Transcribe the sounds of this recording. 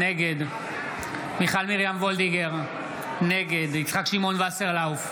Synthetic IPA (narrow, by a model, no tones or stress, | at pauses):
neɡe̞d̪ | miχalmiʁjamvo̞ld̪iɡeʁ | ne̞ɡe̞d̪it͡sχakʃimo̞nvaseʁlawf